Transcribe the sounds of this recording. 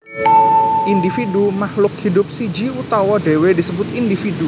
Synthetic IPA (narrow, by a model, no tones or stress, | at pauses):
ʔindifidumahlʊk̚hidʊp̚sid͡ʒiut̪ɔwɔdewedisəbʊt̪indifidu